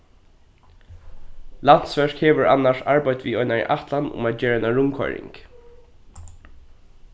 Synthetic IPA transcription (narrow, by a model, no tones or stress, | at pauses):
lan̥t̪sfɛʂkheːʋəɹʔa̰nːaʂaɹbajt̪ʋiːɔʏnaḭʔaht̪lanʊ̰maːt̪d͡ʒeːɾɛnaɹʊmkʰɔ̰jɾɪ̰ŋk